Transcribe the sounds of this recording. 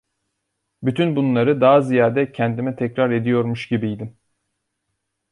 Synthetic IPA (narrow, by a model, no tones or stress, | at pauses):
byt̪ʰynbunlˠaɾɯd̪aɦazijaːd̪ɛcʰɛnd̪imɛt̪ʰɛcɾaɾe̞d̪ijo̞ɾmuʃɟibijd̪im